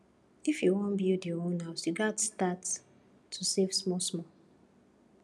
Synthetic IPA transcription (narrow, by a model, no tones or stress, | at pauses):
ifjuwɔ̃nbidiɔonɦaʊsjuɡatstatʰː | usevsmɔsmɔ